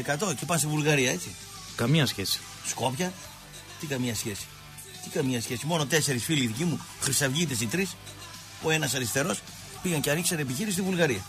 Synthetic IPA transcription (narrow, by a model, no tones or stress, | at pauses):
ekɐt̪o̞cepɐnst̪ivulɣɐɾiɐe̞t͡si | kɐmɲɐsçesi̥ | sko̞pçɐ | t̪ikɐmɲɐsçe̞si̥ | t̪ikɐmɲɐsçe̞simo̞no̞t̪e̞se̞ɾisfiliðicimu | xɾisɐvʝit̪esit̪ɾis | oe̞nɐsɐɾist̪e̞ɾo̞s | piɣɐɲceɐnikseɾepiçiɾisist̪ivulɣɐɾiɐ